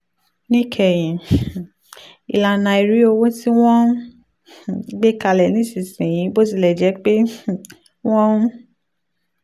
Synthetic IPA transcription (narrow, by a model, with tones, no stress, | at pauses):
nĩ˦kʰɛ˨j̃ĩ˨ | ḭ˧˨la˨nã˧i˨ɾi˨˦o˧wo˦ti˦w̃ɔ̃˦˨ | ɡ͡be˦ka˧lɛ˨nĩ˨˦˨si˨˧sĩ˨j̃ĩ˨˦bo˦t̬i˧˦lɛ˨d͡ʒɛ˨˦k͡pe˦˨ | w̃ɔ̃˦